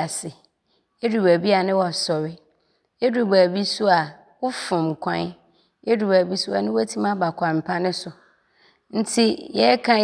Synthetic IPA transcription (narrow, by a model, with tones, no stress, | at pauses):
a˨sɪ˨ | e˦du˨bæ˨bi˦a˨nɪ̃˦wɔ˨sɔ˨wɪ˦ | e˦du˨bæ˨bi˦sʊ˦a˨ | wʊ˦fʊ̃˨m˨kʷʰã̰˦n˦ | e˦du˨bæ˨bi˦su˦a˨nɪ̃˦wa˦tʰĩ˦mã˦ba˨kʰʷã˨m̩˨pʰa˦nɪ̃˦sʊ˨ | n̩˦tʰi˦jɛ˦kʰã˦